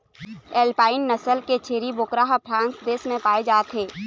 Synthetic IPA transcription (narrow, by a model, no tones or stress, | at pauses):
ɛːlpaːɪnːɐsəlket͡ʃʰeːɾiboːkɾaːɦpʰɾãːnsd̪eːsmẽpaːed͡ʒaːt̪ʰɦeː